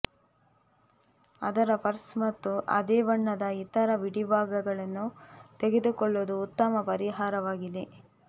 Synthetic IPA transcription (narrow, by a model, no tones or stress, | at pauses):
ɐd̪ɐɾɐpɐɾsmɐt̪ːuʔɐ̰d̪eːʋɐɳːɐd̪ɐit̪ɐɾɐʋiɽibʱaːɡɐɡɐɭɐnːut̪eɡe̞d̪ukɔɭːoːd̪uːt̪ːɐmɐpɐɾiɦaːɾɐʋaːɡid̪e̞